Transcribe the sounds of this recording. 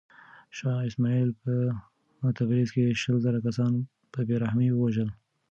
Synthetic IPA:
ʃɑɪsmɑilpə | ʊt̪afɾizkeʃəlzaɾakasɑn | pəbeɾahmiwəwaʒəl

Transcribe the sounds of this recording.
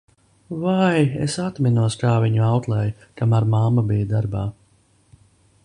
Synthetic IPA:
vajḛsat̪minuɔskaːviɲuawt̪lˠɛjkamaɾmamːabijad̪aɾbaː

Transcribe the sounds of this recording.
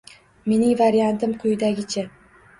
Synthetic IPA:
me̞nɪŋvaɾjant̪ɪmqʰʊjɪd̪aɡʲɪt͡ʃʰa

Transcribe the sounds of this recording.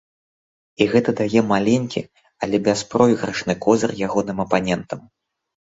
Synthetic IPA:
iɣɛt̪ɐd̪ajɛmalʲɛnʲkʲḭ | ɐlʲɛbʲaspɾɔjiɣɾɐʂnɨkɔzʲɐrjaɣɔnɨmɐpanʲɛnt̪ɐm

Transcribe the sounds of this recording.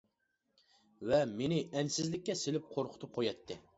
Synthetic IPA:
vɛmenɪɛnsɪzlɪk̚ʲːɛselɪp̚qʰoɾqʰʊ̥t̪ʰʊp̚qʰojɑt̪ʰːɪ

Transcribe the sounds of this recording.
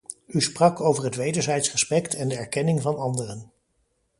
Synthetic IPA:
ysprɑkowvəɹɦətʋejdəɹzɛjtsrəspɛktʰɛndəɛɹkɛnɪŋvɑnɑndərən

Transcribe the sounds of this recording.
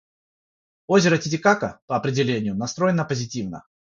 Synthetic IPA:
ozʲɪɾətʲɪtʲɪkakəpəɐpɾʲɪdʲɪlʲenʲɪjʊnɐst̪ɾo̞jɪnːəpəzʲɪtʲivnə̰

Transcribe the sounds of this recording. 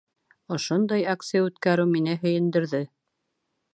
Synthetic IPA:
ŏʃond̪ɑjakt̪sɨjaʉt̪kæɾɘwminɘɦɵ̆jɘ̆nd̪ɘ̆ɾðɘ

